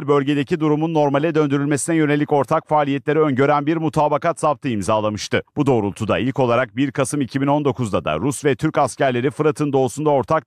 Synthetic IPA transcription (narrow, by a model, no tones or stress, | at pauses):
ɾbø̞lʲɟe̞d̪e̞cid̪uɾumunːo̞ɾmalʲɛd̪ø̞nd̪yɾylʲme̞sinɛjø̞ne̞lʲːico̞ɾt̪ʰakfaːlʲijɛt̪lʲe̞ɾɛønɟø̞ɾænbiɾmut̪ʰaːbakat̪sapt̪ʰɯimzaːlˠamɯʃt̪ɯbud̪o̞ːɾulˠt̪ʰud̪a̰ilʲco̞lˠaɾak̚biɾkʰasɯmicʰibino̞nd̪o̞kʰuzd̪ad̪a̰ɾusvɛt̪ʰyɾcascæɾlʲe̞ɾifɯɾat̪ʰɯnd̪o̞ːusund̪ao̞ɾt̪ʰak̚